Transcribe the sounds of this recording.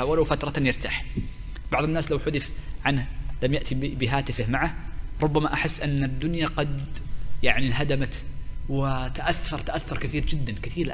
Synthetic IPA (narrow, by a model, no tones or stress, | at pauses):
awalawfat̪ɾˤɑjɪɾt̪a̰ːħ | b̥ɑʕðˤɪnːaːslawħʊðɪfʕanhlamjaʔt̪ʰibɪɦaːt̪ɪfɪhmaʕahɾˤʊbːamaʔaħɪsːʔɪnːad̪ːʊnjaqɑd̪jaʕniɦad̪amat̪wɪt̪aʔaθːɑɾˤt̪aʔaθːʊɾˤkɪθiːɾd͡ʒɪd̪ːankɪθiːɾ